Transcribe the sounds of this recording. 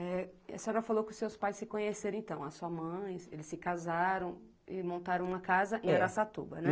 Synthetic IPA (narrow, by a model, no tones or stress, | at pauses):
ɛɐ̰sẽɔɾɐfalowkɪʊsewspajssɪkõɲeseɾ̃ẽt̪ɐ̃w̃ɐsuɐmɐ̃j̃elɪsɪkazaɾɐ̃w̃ | ɪmõnt̪aɾɐ̃w̃ũmɐkazɐʔɪɛɾasat̪ṵbɐnɛ